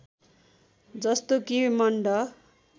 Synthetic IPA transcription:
d͡zʌst̪okimʌɳɖʌ

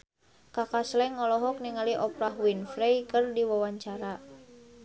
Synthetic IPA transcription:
kakaslɛŋːɔlɔɦɔk̚niŋaliʔɔpɾahwinfɾɛjkɨrdiwawaɲt͡ʃaɾa

